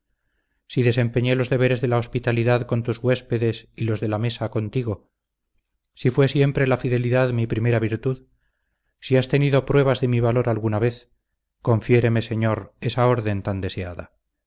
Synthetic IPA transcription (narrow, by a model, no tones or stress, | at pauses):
siðe̞se̞mpe̞ɲe̞lo̞zðe̞βe̞ɾe̞zðe̞lao̞spit̪aliðaðko̞nt̪uzɣwe̞spe̞ðe̞silo̞zðe̞lame̞sako̞nt̪iɣo̞ | sifwe̞sje̞mpɾe̞lafiðe̞liðaðmipɾime̞ɾaβiɾt̪uð | siast̪e̞niðo̞pɾwe̞β̞azðe̞miβ̞alo̞ɾalɣunaβe̞θ | ko̞ɱfje̞ɾe̞mese̞ɲo̞ɾe̞sao̞ɾðe̞nt̪and̪e̞sea̰ða̰